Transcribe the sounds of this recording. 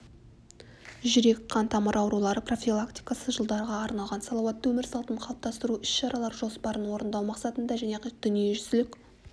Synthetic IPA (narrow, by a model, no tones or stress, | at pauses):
ʒʏɾe̞kqɑnt̪ʰɑməɾʔɑwɾulˠɑɾəpro̞fʲilˠakt̪i̥jkasəʒəlˠd̪ɑɾʁɑːɾnɑlˠʁɑnsɑlˠɑwɑt̪ːwɵmɪɾsɑlˠt̪əɴqʰɑlˠə̥p̚t̪ɑst̪əɾuʏsʃɑɾɑlˠɑɾʒo̞spɑɾənwo̞ɾənd̪ɑwmɑqsɑt̪ənd̪ɑʒæne̞d̪̥ʏnijeʒʏsɪlɪkʲ